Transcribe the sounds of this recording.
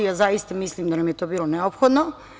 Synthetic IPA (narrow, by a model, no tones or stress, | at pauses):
jazajist̪amislimd̪anamjet̪o̞ːbiːlˠoneopxod̪no